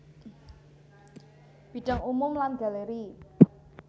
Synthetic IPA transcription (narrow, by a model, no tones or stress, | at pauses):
b̥i̤ɖ̥ə̤ŋumʊmlanɡ̥a̤leɾi